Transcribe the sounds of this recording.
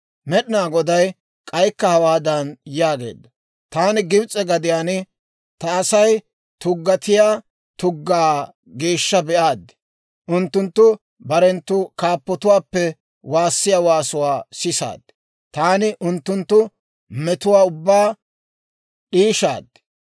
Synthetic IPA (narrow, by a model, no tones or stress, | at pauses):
mɛɗɪnaːɡɔd̪ɐj | kʼɐjkːɐhɐwaːd̪ɐnjaːɡe̞̰ːd̪ːɐ | t̪aːnɪɡɪbt͡sʼɛɡɐd̪ɪjaːnɪ | t̪ɐːsɐj | t̪ʊɡːɐt̪ɪjaː | t̪ʊɡːaː | ɡeːʃːɐbɛʔaːd̪ːɪ̥ | ʔʊnt̪ːʊnt̪ːʊ | bɐɾɛnt̪ːʊkaːpːɔt̪ʊwaːpːɛ | waːsːɪjaːwaːsʊwaːsɪsa̰ːd̪ːɪ̥ | t̪aːnɪʔʊnt̪ːʊnt̪ːʊ | mɛt̪ʊwaːʊbːaː | ɗiːʃa̰ːd̪ːɪ̥